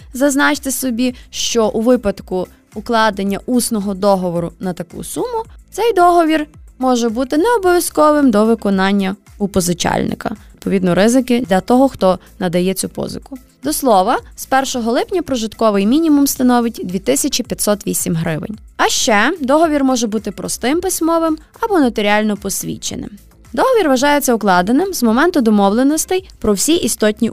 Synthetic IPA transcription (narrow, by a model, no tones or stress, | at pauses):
zɐznɑt͡ʃt̪ɪsɔbʲiʃt͡ʃɔʔuʋɪpɐd̪kʊː | klˠɑd̪enʲːɐʔusnɔɦɔd̪ɔɦɔʋɔɾʊnɐt̪ɐkṵsumʊt̪sɛjd̪ɔɦɔʋʲirmɔʒɛbut̪ɪnɛɔbɔʋʲjɐskɔʋɪmd̪ɔʋɪkɔnɑnʲːɐ | ʊpɔzɪt͡ʃɑ̰lʲnɪ̰kɐ̰d̪̚pɔʋʲid̪nɔɾɪzɪkɪd̪lʲɐt̪ɔɦɔxt̪ɔ | nɐd̪ɐjɛt͡sʲupɔ̰zɪ̰kʊ̥ | d̪ɔslˠɔʋɐspɛrʃɔɦɔlˠɪpnʲɐpɾɔʒɪt̪kɔʋɪjmʲinʲimumst̪ɐnɔʋɪtʲd̪ʲʋʲit̪ɪsʲɐt͡ʃipʲjɐt̪ʲsɔt̪ʋʲisʲimɦɾɪʋɪ̰nʲ | ɐʃt͡ʃɛd̪ɔɦɔʋʲirmɔʒɛbut̪ɪpɾɔ̰st̪ɪmpɪsʲmɔʋɪm | ɐbɔnɐt̪ɔɾʲiɑlʲnɔpɔsʲʋʲḭt͡ʃḛnɪ̰m | d̪ɔɦɔʋʲirʋɐʒɑjet͡sʲːɐʊklˠɑd̪enɪmzmɔmɛnt̪ʊd̪ɔmɔʋlˠenɔst̪ɐjpɾɔwsʲiʔist̪ɔtʲnʲi